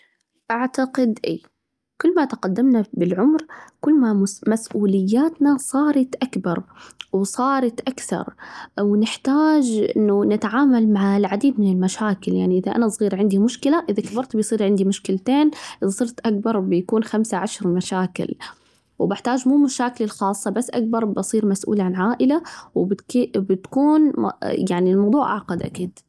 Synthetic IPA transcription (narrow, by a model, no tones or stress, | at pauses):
ʔaʕt̪aqɪd̪ʔiː | kʊlːmat̪aqad̪ːamnabɪlʕʊmɾkʊlːmamasʔuːlɪjːaːt̪nasˤɑːɾˤɑt̪ʔakbɑɾˤwsˤɑːɾˤɑt̪ʔakθɑ̰ɾˤwnɪħt̪aːd͡ʒʔɪ̰nːʊnɪt̪ʕaːmalmaʕlʕad̪iːd̪mɪnɪlmaʃaːkɪlja̰ʕniʔɪðaʔa̰nasˤɣiːɾʕɪnd̪imʊʃkɪlaʔɪðakabɑɾˤt̪bɪjsˤiːɾʕɪnd̪imʊʃkɪlt̪eːnʔɪðasˤɨɾt̪ʔak̚bɑɾˤbɪjakuːnxamsaʕaʃɾˤmaʃaːkɪ̰l | wbɪħt̪aːʒmuːmaʃaːkɪlɪlxɑːsˤːɑbasːʔak̚bɑɾˤbɑsˤiːɾmasʔṵːlaʕanʕaːʔɪlawb̪bɪt̪kuːnjaʕnilmɑwðˤuːʕʔaʕqɑd̪ʔa̰kiːd̪